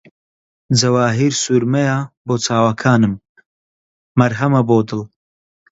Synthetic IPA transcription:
d͡zɐwaːɦiːɾsuːɾmɐjaboːt͡sʰaːwakʰaːnɨm | mɐɾɦɐmɐboːd̪ɨl

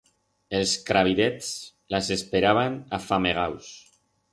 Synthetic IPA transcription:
elˠskɾaβ̞iðɛt͡s | lasespeɾaβ̞anafameɣ̞aws

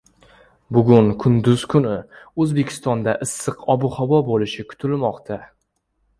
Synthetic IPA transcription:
bʊɡʲʊnkʰʊnd̪ʊz̥kʰʊnɪɵzbe̞kʲʰɪ̥st̪ɒnd̪aʔɨsːɨqɒbʊhɒbɒbolɪʃɪkʰʊ̥t̪ʰɪlmɒqt̪ʰa

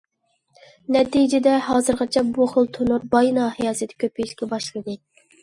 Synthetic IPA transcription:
nɛt̪id͡ʒɪd̪ɛhɑːzɨɾʁɑt͡ʃʰɛbuχʊlˠt̪ʰonuɾbɑjnɑːhijɑːsɨt̪ʰɪ̥kʲʰøpʰeʃʲkʲɛbɑʃlˠɨd̪ɨ

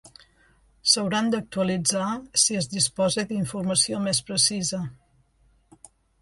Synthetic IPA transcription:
səwɾand̪ək̚t̪uəlid͡zasiəzðispɔzed̪iɱfurməsiomespɾəsizə

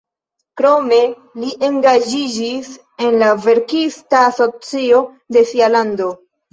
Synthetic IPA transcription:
kɾo̞me̞ | liʔe̞ŋɡad͡ʒid͡ʒis | e̞nlave̞ɾkistaːso̞t͡sio̞ | de̞fialando̞

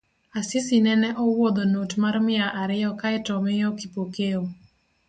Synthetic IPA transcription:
asɪsinɛnɛʔɔwod̪onotmarmɪaʔaɾɪjɔkaɪtɔmɪjɔkipokeo

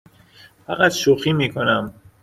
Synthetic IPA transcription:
fæɣat̪ʃoxiːmiːkʰonæm

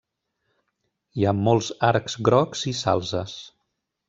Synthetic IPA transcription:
iamolˠzaɾkzɡɾɔkz̥isa̰lˠzəs

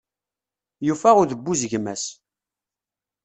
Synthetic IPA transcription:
jufæʁʊðəbːuzʝmæs

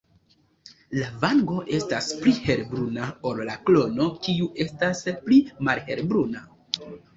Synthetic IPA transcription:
lavaŋɡo̞ʔe̞stasplihe̞ɾbɾunao̞llaklo̞no̞kiuʔe̞stasplimalhe̞ɾbɾuna

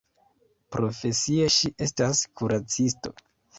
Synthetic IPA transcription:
pɾo̞fe̞sieʃiʔe̞staskʰuɾat͡sisto̞̰

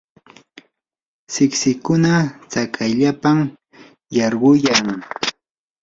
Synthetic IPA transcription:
sɪksɪkʊnat͡sakʰajʎapam | jɑɾɢʊjaŋ

